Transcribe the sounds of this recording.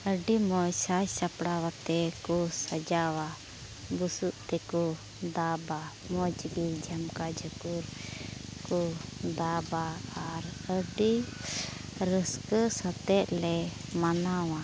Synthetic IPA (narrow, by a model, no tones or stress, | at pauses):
əɖimɔjsajsapɽawat̪ɛkɔsəd͡ʒawa | busuʔt̪ɛkɔ | d̪aba | mɔd͡ʒɡild͡ʒamkad͡ʒəkuɾ | kɔd̪abaːɾəɖi | ɾəskəsət̪ɛt̪lɛmanawa